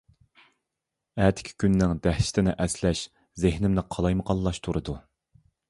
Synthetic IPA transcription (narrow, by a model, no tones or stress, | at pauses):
æːt̪ʰɪ̥kʲʰi̥kʲynːɪŋd̪æhʃɪ̥t̪ʰɪnɪʔɛslɛʃ | zɪhnɪmnɪqʰɑlˠɑjməqɑlˠːɑʃt̪ʰuɾɨd̪u